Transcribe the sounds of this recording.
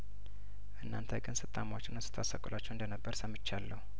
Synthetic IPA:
ʔɨnːant̪ʰəɡʼɨnsɨt̪ʼamawot͡ʃːɪnɨsɨ̥t̪ʰasakʼolat͡ʃːɛwɨnd̪ənəbːəɾsəmːɨt͡ʃːalːəhu

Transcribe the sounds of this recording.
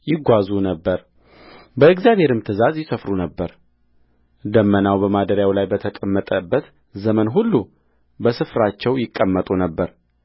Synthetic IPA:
jɪɡʷazunəbːəɾ | bəɨɡzjaβhe̞ɾɨmt̪ʰɨzazjɪsəfɾunəbːəɾ | d̪əmːənawbəmad̪əɾjawlajbət̪ʰəkʼəmːət̪ʼəbːət̪ | zəmənɦulːu | bəsɨfɾat͡ʃːɛwjɪkʼːəmːət̪ʼunəbːəɾ

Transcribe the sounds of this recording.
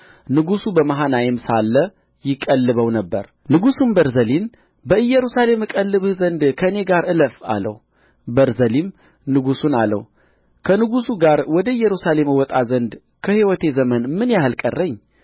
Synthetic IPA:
nɨɡusubəmaɦanajɪmsalːə | jɪkʼːəlːɨβəwnəbːə̰ɾ | nɨɡusunbəɾzəlin | bəɨjːɛɾusale̞mɨkʼəlːɨβhzənd̪kʰəɨne̞ɡaɾʔɨləfa̰lə̰w | bəɾzəlim | nɨɡusunalːə̰wu | kʰənɨɡusuɡaɾwɔd̪əɨjːɛɾusale̞mɨwɔt̪ʼazənd̪ | kʰəhiwɔt̪ʰe̞zəmənmɨnjahɨlkʼərːəɲː

